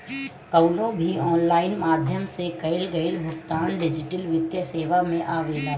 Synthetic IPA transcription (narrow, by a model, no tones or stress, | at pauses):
kəwlõbʱiɔːnlaːɪnmaːd̪ʱjəmsekɐɪlɡɐɪlɦʊkt̪aːnɖɪd͡ʒɪʈəlʋɪd̪jəseːʋamẽʔaːʋeːla